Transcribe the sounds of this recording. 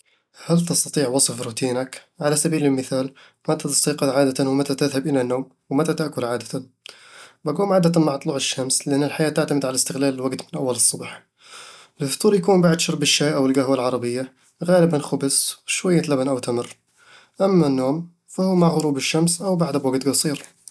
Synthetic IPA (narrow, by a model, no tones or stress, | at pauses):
halt̪ɑst̪ɑt̪ˤiːʕwɑsˤɨfɾuːt̪iːnakʕalasabiːlɪlmɪθaːl | mat̪at̪ɑ̥sˤiːqɑt̪ʕaːd̪at̪anwmat̪at̪ɪðhabʔɪlanːoːm | wmat̪at̪aʔkʊlʕaːd̪at̪an | baɡuːmʕaːd̪at̪amaʕt̪ˤluːʕɪʃːamslɪʔanːɪlħajaːt̪ɪʕt̪amɪd̪ʕalaɪst̪ɪɣlaːlɪlwaɡt̪mɪnʔawːalɨsˤːʊbħ | ɪlʊft̪uːɾjakuːmbaʕd̪ʃɑɾˤbɪʃːaːʔawɪlɡahwalʕɑɾˤɑbɪjːa | ɣaːlɪbanxʊbsʃwajːalabanʔawt̪amɪrː | ʔamːanːoːm | fahuːmaʕɣʊɾuːbɪʃːamsʔawbaʕd̪abwaɡt̪ɡɑsˤiːɾ